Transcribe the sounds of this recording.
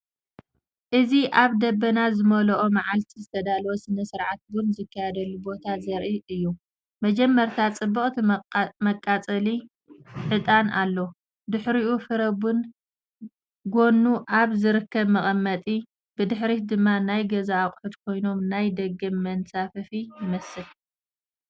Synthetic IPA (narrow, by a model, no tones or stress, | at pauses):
ʔɨziʔaβd̪ɐbːɐnazɨmɐlɐʔomaʕalt̪ʰizɨt̪ʰɐd̪alwosɨnɐsɨɾʕat̪̚bʊnzɨkːajad̪ɐlːubo̞t̪ʰazɐɾʔiʔɨjːu | mɐd͡ʒɛmːɐɾt̪ʰat͡sʼɨbːɨχʼt̪ʰimɐkʼːat͡sʼɐli | ʕɨt̪ʼanalːo | d̪ɨħɾiʔufɨɾɐbun | ɡo̞nːuʔaβzɨɾɨkːɐβmɐχʼɐmːɐt̪ʼi | bɨd̪ɨħɾid̪ɨmːanajɡɐzaːkʼħud̪kʰo̞jno̞mnajd̪ɐɡɐmːɐnsafɐfijɪmɐsɨl